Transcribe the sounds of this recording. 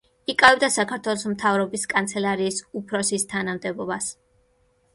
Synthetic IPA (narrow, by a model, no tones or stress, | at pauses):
ikʼavɛb̚d̪asakʰaɾt̪ʰwɛlˠɔsmt̪ʰavɾɔbiskʼant̪sʰɛlˠaɾiːsupʰɾɔsist̪ʰanamd̪ɛbɔbas